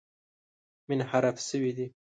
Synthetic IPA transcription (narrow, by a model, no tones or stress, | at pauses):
mɪnhaɾafsəwid̪i